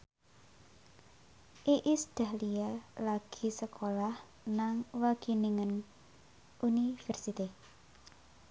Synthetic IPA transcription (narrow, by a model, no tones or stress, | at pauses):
ʔiʔisd̪̥a̤hlialaɡ̥i̤səkʰolah | naŋwaɡ̥iniŋən | ʔunifɛrsit̪i